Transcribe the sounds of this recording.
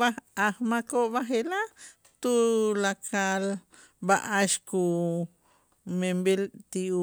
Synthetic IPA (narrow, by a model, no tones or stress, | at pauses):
aahmakoʔβaɦela | t̪ulakʰal | baʔaʃku | membelt̪iu